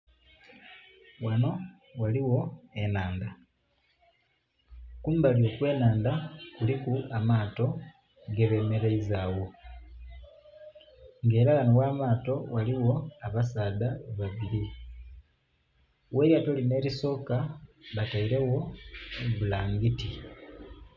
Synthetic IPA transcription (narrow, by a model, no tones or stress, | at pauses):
wano̞ | waliwo̞enaːnda | kuːmbalio̞ːkwe̞ːnaːndakulikuamaːto̞ | ɡeβe̞meɾeizaːwo̞ | ŋɡe̞ːɾaanowaːmaːto̞waliwo̞aβasaːðaβaβiɾi | we̞ːɾjatoline̞ːɾiso̞ːkaβataiɾe̞wo̞ | βulaːŋɡiti